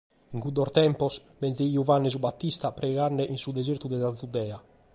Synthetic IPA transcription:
iŋkud̪ɔɾt̪ɛmpɔsbɛnzeiuvanːɛs̬ubat̪ːist̪apɾɛɣanːɛʔinsud̪ez̬iɾt̪ud̪ɛzanθud̪ɛa

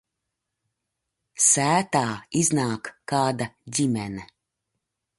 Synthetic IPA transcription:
sæːt̪aːiznaːkːaːd̪aɟʲimɛnɛ

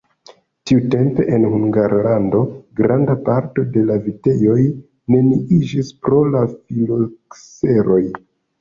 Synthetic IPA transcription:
tiute̞mpe̞ʔenhuŋɡaɾlando̞ɡɾandapaɾto̞de̞lavite̞jo̞j | ne̞niid͡ʒispɾo̞lafilokse̞ɾo̞j

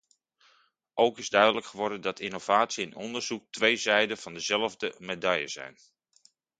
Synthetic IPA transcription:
ʔowkɪzdœɥdələkχəʋɔɹdəndɑtʰinowv̥aːtsiɪnɔndəɹz̥uk̚tʋejzɛjdəv̥ɑndəzɛlˠəvdəmedɑjə̰z̥ɛ̰jn

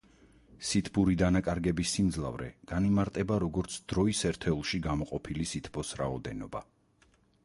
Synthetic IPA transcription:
sit̪ʰbuɾid̪anakʼaɾɡɛbisːimd̪zlˠa̰vɾɛ̰ɡ̥animaɾt̪ʼɛbaɾɔɡɔɾt̪sʰd̪̥ɾɔisɛɾt̪ʰɛulˠʃiɡamɔqʼɔpʰilisit̪ʰbɔsɾaɔd̪ɛnɔba

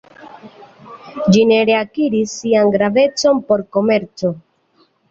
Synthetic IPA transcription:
d͡ʒine̞ɾeakiɾisːianɡɾave̞t͡so̞npo̞ɾko̞me̞ɾt͡so̞

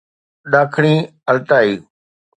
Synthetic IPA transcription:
ɗaːkʰɽ̃ĩː | əlt̪aːiː

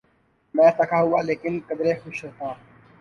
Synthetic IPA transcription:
mɛ̃ːt̪ɐkʰaːɦʊaːleːkɪnkɐd̪ɾeːxʊʃɾɐt̪aː

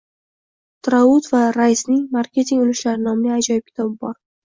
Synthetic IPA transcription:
t̪ʰɾaʊt̪vaɾajisnɪŋmaɾkʲe̞t̪ʰiŋʊlɪʃlaɾɪnɒmlɪjad͡ʒɒjɪp̚kʲʰɪ̥t̪ʰɒbɪbɒɾ

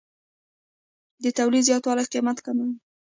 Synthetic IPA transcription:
d̪ət̪awlid̪zjɑt̪wɑlajqimat̪kama

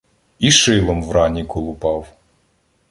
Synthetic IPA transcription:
iʃɪlˠɔmwɾɑnʲikɔlˠʊpɑw

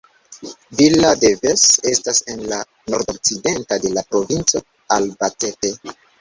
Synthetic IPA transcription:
vilade̞vese̞stase̞nla | no̞ɾdo̞k̚t͡side̞ntade̞lapɾo̞vint͡so̞ | albate̞te

